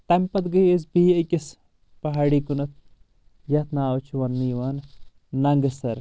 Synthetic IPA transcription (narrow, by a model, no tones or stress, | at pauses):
t̪ɐmpɐt̪ɡəjezbiːɐkʲis | pɐɦaːɽiːkunɐt̪̚ʰ | jɐt̪ʰnaːwt͡ʃʰuʋɐnːijʋanː | ɐŋɡɐsɐɾ